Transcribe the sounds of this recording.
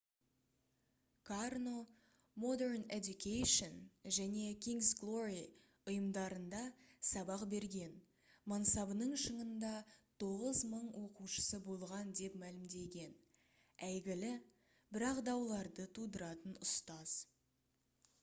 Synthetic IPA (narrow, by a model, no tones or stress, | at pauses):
kʰarno̞ | mo̞d̪e̞ɾned̪jukʲʰejʃonʒæne̞kʲʰiŋɡsɡlˠo̞ɾi | ʊjəmd̪ɑɾənd̪ɑsɑbɑqbe̞ɾɡʲe̞n | mɑnsɑbənəɴʃəɴənd̪ɑt̪ʰo̞ʁəzməɴwo̞quʃə̥səbo̞lˠʁɑnd̪e̞pmælɪmd̪e̞ɡʲe̞n | æjɡʲɪlɪ | bɪɾɑqd̪ɑwlˠɑɾd̪ət̪ʰud̪əɾɑt̪ənʊst̪ɑz̥